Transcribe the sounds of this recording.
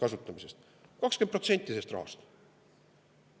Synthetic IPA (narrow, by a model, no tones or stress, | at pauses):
kɑsut̪ˑːɑmise̞st̪ | kɑkskenpro̞t̪se̞nʲt̪ːˑise̞st̪rʔɑ̰hɑ̰st̪